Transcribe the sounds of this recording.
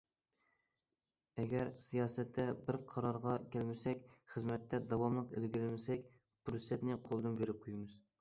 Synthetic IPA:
ɛɡʲɛɾsijɑːsɛt̪ʰːɛbɪɾqʰɑɾɑɾʁɑkʲʰælmɪsɛkʲχəzmɛt̪ʰːɛd̪ɑwɑmlˠəqḛlɡʲiɾɪlmɪsɛkʲ | b̥uɾsɛt̪nɪqʰolˠɨd̪ɨnbeɾɪp̚qʰojmɨz̥

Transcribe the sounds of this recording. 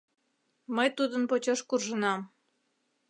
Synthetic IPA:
məjt̪ud̪ənpot͡ɕoʃkurʒənɑm

